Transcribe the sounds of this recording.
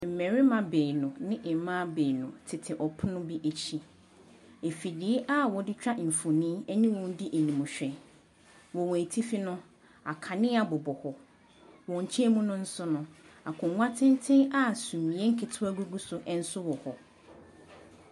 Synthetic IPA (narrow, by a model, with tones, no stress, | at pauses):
m̩˨mɛ̃˨ɾɪ˦mã˨be˨nʊ̃˨nɪ̃˦ʔm˦mã˦be˨nʊ̃˨tʰɪ˨tʰɪ˨ʔɔ˨pʰʊ˦nʊ̃˦bi˦ʔe˨t͡ɕʰi˦ | e˨fi˨di˨˦ʔa˦wɔ˨dɪ˦t͡ɕᶣa˦m̩˨fu˨nĩ˦ɛ˦nĩ˦wɔ̃˨n˦dɪ˦ʔe˨nĩ˨mũ˨ɕᶣɛ˨ | wɔ˨wɔ̃˨e˨tʰi˦fi˦nʊ̃˦ | a̰˨kʰa˨nɪ̃˦a˨bɔ˨bɔ˨hɔ˨ | wɔ̃˨ɲ̩˨t͡ɕʰi˦e˦mũ˦nʊ̃˦n̩˦sʊ˦nʊ̃˦a˨kʰʊ̃˨˦ŋʷã˦tʰɪ̃˦n˦tʰɪ̃˦a˦sũ˨mĩ˨ɛ˦ŋ̩˦kʰɪ˨tʰʊ˦æ˦ɡu˦ɡu˦sʊ˨ʔɛ˦n̩˦sʊ˦wɔ˨hɔ˨